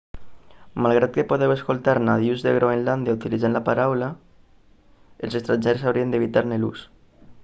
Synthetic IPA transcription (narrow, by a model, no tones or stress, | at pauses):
malˠɣɾat̪̚kepoðeweskolˠt̪aɾnaðiuzðeɣɾoenland̪jaut̪ilizanlapaɾawla | elsest̪ɾanʲd͡ʒeɾsawɾiend̪eβit̪aɾnelṵs